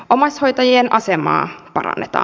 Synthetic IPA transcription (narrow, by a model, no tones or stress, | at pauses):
ʔomɑsʲhojt̪ɑjienʔɑsemɑ̰ːpɑɾɑ̰nːet̪ɑ̰ː